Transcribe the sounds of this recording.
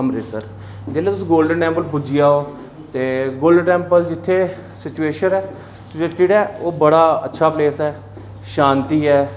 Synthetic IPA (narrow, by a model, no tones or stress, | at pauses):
əmɾeːsəɾ | d͡ʒ̪eːleːt̪ʊsĩːɡoːlɖənːɛ̃ːmbəlbʊd͡ʒɪjaːɦoː | t̪eːɡoːlɖʈɛ̃ːmpəld͡ʒɪt̪ʰːeː | sɪt͡ʃueːʃənɛː | t͡ʃeːʈiɖɛːoːbəɽaːə̰tːʃʰaːpleːsɛː | ʃãːnt̪iːɦɛː